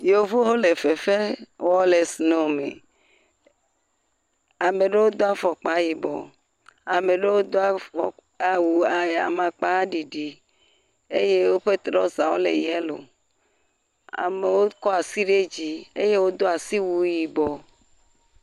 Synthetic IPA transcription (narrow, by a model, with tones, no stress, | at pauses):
jo˨vo˦ɦo˦le˨fe˨fe˦wɔ˦le˨sno˨mḛ˨ | a˨mẽ˨ɖe˦wo˦d̪o˦a˦fɔ˨k͡pa˨ji˨bɔ̰˨ | a˨me˨ɖe˦wo˦d̪o˦a˦˨ɔ˨ | a˨wu˨a˨a̰˨mã˨k͡pa˦ɖi˨ɖi˨ | e˦je˦wo˦ɸe˦t̪ɾɔ˦zã˨wo̰˦lḛ˨jɛ˦lo̰˨ | a̰˨me˨wo˦kɔ˦a˨si˦ɖe˦d͡ʑi˨e˦je˦wo˦d̪o˦a˨si˦wu˦ji˨bɔ˨